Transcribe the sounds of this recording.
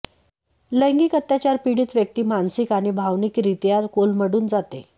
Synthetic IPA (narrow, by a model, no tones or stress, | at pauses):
ləjŋɡiːkət̪ːjat͡ɕaɾpiɽiːt̪ʋjək̚t̪iːmansikaɽ̃ibʱaʋniːkɾit̪jaɾkolməɽuːnd͡zat̪ḛ